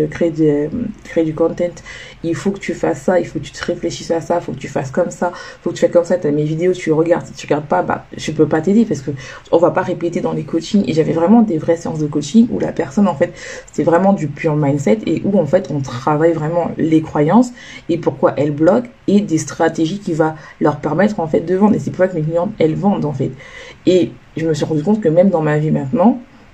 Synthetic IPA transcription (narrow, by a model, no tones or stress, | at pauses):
kχeed̪ekχed̪ykɔ̃t̪ɛ̃t̪ | ilfokə̥t̪yfasːailfokət̪y̥t̪əʁefleʃisasaifokət̪yfaskɔmsaifokət̪yfakɔmsat̪amevid̪eot̪ʰyʁəɡaʁd̪st̪yʁəɡaʁd̪̚paba̰ʒəpøpat̪ed̪epaʁsə̥kə | ɔ̃vapaʁeplet̪ed̪ɑ̃lekot͡ʃiŋḛʒavɛvʁɛmɑ̃d̪evʁɛseɑ̃s̬d̪əkot͡ʃiŋṵla̰pɛʁsɔnɑ̃fɛt̪se̥t̪ɛvʁɛmɑ̃d̪ypɥyʁmajnsɛt̪ḛʔuɑ̃fɛt̪ɔ̃t̪χavajvʁɛmɑ̃lekχwajɑ̃s | epuʁkwaʔɛlblɔk | ed̪est̪χat̪eʒikʲivalœʁpɛʁmɛt̪χɑ̃fɛt̪̚d̪əvɑ̃d̪ʁesɛpuʁsakəmek̬lijɑ̃d̪ɛlvɑ̃d̪ɑ̃fɛt̪eʒəməsɥiʁɑ̃d̪ykɔ̃t̪kəmɛmd̪ɑ̃mavimɛ̃t̪nɑ̃